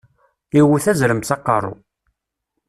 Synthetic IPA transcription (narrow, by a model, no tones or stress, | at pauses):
iwθæzɾəmθɑqːɑrˤːʊ̰